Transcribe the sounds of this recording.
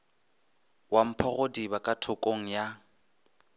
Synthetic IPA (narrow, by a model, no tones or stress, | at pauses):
wam̩pʰɔɣodibakʼatʰʊkʼoŋ̩ja